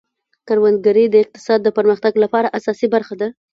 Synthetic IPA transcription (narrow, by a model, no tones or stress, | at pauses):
kaɾwand̪ɡaɾəd̪əɪq̚t̪ɪ̥sɑd̪ːəpəɾməxt̪aɡlapɑɾaʔasɑsibaɾxad̪a